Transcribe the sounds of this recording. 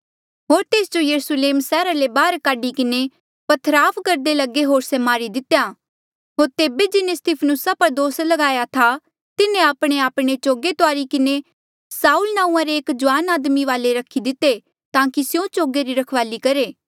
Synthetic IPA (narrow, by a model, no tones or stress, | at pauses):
ɦoːɾt̪eːsd͡ʒojɐɾusleːmsɛːɾalebaːɾkaːɖikɪne | pɐt̪ʰɾaːpʰkɐɾd̪elɐɡeɦoːɾsɛmaːɾid̪ɪt̪eja | ɦoːɾt̪eːbed͡ʒɪnẽst̪ɪpʰənʊsapɐɾd̪oːslɐɡaːjat̪ʰa | t̪ɪnẽaːpɽ̃eaːpɽ̃et͡ʃoːɡet̪oaːɾikɪne | saːuːlnãːũãɾeːkd͡ʒʊʋaːnaːd̪miʋaːleɾɐkʰid̪ɪt̪ːe | t̪ãːkisjõt͡ʃoːɡeɾiɾɐkʰʋaːlikɐɾeː